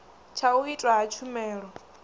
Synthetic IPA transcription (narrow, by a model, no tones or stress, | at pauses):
t͡ʃʰauitʼwaɦat͡ʃʰumɛːɺɔ